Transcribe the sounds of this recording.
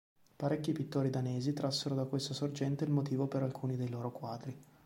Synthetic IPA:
paɾekʲːipit̪ːoːɾid̪aneːzit̪ɾasːeɾod̪akwest̪asord͡ʒɛnt̪eilmot̪̬iːvopeɾalkʰuːnid̪ejloːɾokwaːd̪ɾi

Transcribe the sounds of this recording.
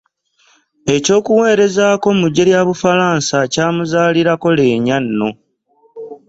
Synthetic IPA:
e̞co̞ːkuwe̞ːɾe̞zaːko̞muɟːe̞ljaβufalaːnsacaːmuzaːliɾako̞le̞ːɲanːo̞

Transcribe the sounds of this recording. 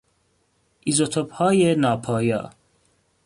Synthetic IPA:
ʔizot̪ʰobhɒːjenɒːpʰɒːjɒ̰ː

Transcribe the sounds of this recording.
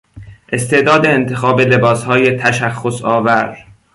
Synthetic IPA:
ʔe̞st̪e̞ʔd̪ɒːd̪e̞ːnt̪ʰe̞xɒːbele̞bɒːshɒːje̞t̪ʰæʃæxːosɒːvæɾ

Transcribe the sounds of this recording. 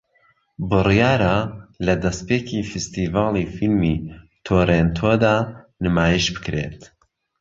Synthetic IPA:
bɨrijaːɾalɐd̪ɐspecʰifɨst̪iːvaːlˠifilmit̪ʰoːɾent̪ʰod̪aːnɨmaːjiʃbɨ̥kɾḛt̪

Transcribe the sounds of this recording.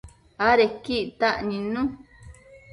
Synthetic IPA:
aɾekiʔt̪aʔɲĩnũ

